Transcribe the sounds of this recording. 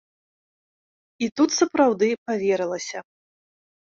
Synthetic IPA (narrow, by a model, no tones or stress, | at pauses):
it̪ut̪sɐpɾawd̪ɨpavʲɛɾɨlˠɐsʲɐ